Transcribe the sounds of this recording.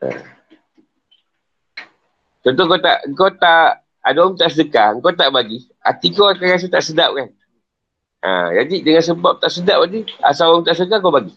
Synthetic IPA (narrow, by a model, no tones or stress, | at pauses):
ə̰ | t̪ɔnt̪oŋkot̪a̰ʔəŋkot̪aʔ | adɔmt̪aʔsədəkaəŋkot̪aʔbaɡi | a̰t̪ikoakaas̬it̪aʔsədap̚kan | ə̰d͡ʒadidəŋans̬əbap̚t̪aʔsədaʔ̚badia̰saɔmt̪aʔsədək̬akobaɡi